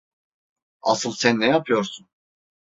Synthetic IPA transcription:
a̰sɯlˠsænːɛjapʰɯjo̞ɾsun

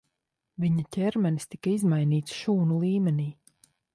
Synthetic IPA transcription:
viɲacʲɛɾmɛnist̪ikaizmajniːt̪sʃuːnulˠiːmʲɛniː

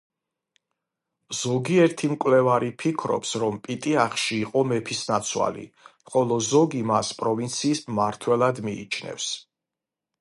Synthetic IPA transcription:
z̥ɔɡiɛɾt̪ʰimkʼwlɛvaɾipʰikʰɾɔ̰psɾɔmpʼit̪ʼiaχʃiːqʼɔmɛpʰisnat̪sʰwa̰lḭχɔlˠɔzɔɡimaspʼɾɔvint̪sʰiːsmːaɾt̪ʰwɛlˠad̪mḭːt͡ʃʰnɛ̰fs

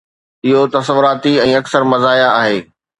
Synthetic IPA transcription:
ɪɦot̪ɐsəʋʊɾaːt̪iɛ̃ːɐksəɾmɐzaːjaaːɦeː

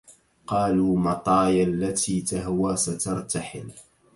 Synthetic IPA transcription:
qɑːluːmɑt̪ˤɑːjalːat̪ʰiːt̪aɦwaːsat̪ɑɾˤt̪aħɪ̰l

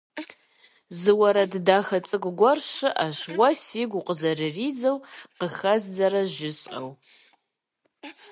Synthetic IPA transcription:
zɨwɐɾɐddaːxɐt͡sʼɨkʼɡʷɔrʃɨʔaʃwɐsiɡʷuqəzɐrɨriːd͡zɐwqəxɐzd͡zɐɾɐʒɪɕʼqɐ̰w

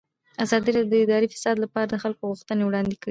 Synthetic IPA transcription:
azɑd̪iɾɑd̪ːəɪd̪ɑɾifɪ̥sɑd̪lapɑɾad̪əxalkoɣuxt̪ənewɽɑnd̪ekəi

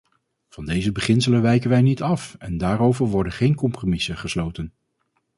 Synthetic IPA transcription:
v̥ɑndejzəbəχɪnsələʋɛjkənʋɛjnitɑfɛndaːɾowvəɹʋɔɹdəχejnkɔmpromɪsəχəslowtən

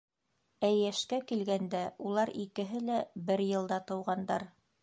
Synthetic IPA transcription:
æjːæʃkækilɡænd̪æulˠɑɾikɘ̆ɦɘlæbɘɾjɤ̆lˠd̪ɑt̪ɤ̆wʁɑnd̪ɑɾ

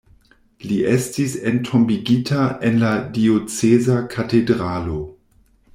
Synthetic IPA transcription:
liʔestisentʰombiɡitʰaʔenladiot͡sezakʰatedʁalo̞

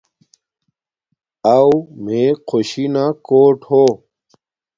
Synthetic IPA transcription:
awmeqʰoɕinakoːʈho

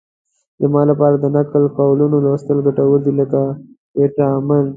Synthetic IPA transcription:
zəmɑlapɑɾad̪ənakəlkawlunolast̪əlɡaʈawəɾd̪iləka | eʈaman

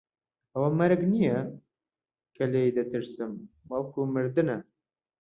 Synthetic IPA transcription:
ɐwɐmɐɾɨɡnijɛ | kʰɐlejd̪ɐt̪ɨɾsɨm | bɑlˠkʰuːmɨɾd̪ɨnɐ

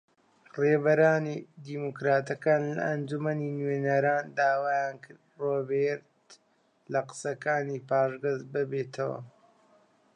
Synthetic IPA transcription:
reːbɐɾaːnid̪iːmukɾaːt̪ɐkaːnlɐ̰ʔːnd͡ʒumɐniːnwenɐɾaːnd̪aːwaːjaːnkʰɨɾd̪roːbeɾt̪ | lɐqɨ̥sɐkaːniːpaːʒɡɐzbɨbeːt̪ʰɐwɐ̰

